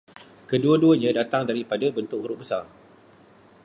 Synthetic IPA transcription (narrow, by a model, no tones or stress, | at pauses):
kəduaduəɲãdat̪aŋdaɾipadabənt̪ʊk̚huɾʊʔbəsar